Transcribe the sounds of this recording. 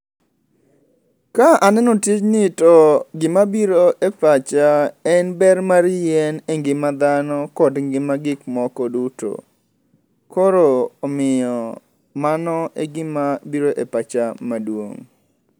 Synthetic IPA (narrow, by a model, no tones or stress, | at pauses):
kaʔanɛnotit͡ʃnɪtɔɡɪmabiɾoʔepat͡ʃaɛnbɛrmaɾjɛneŋɡɪmad̪anɔkɔdŋɡɪmaɡɪkmɔkɔduto̰ | kɔɾoːmɪjɔ | manɔʔeɡɪmabiɾoʔepat͡ʃamadwo̰ŋ